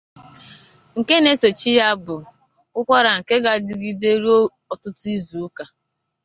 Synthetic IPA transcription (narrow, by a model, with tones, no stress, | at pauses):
ŋ̩˨ke˦ne˦se˨t͡ʃi˦ja˦bʊ˨ | kʊ˦kʷa˦ɾa˨ŋ̩˨ke˦ɡa˨dɪ˨ɡi˦de˦ɾi˦ | ɔ˨tʊ˦tʊ˦i˦zu˨u˦ka˨